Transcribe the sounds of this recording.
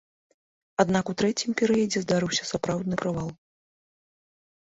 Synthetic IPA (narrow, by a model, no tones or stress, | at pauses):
ad̪nakut̪ɾɛt͡sʲimpʲɛɾɨjɐd͡zʲɛzd̪aɾɨwsʲɐ̥sapɾawd̪nɨpɾɨvalˠ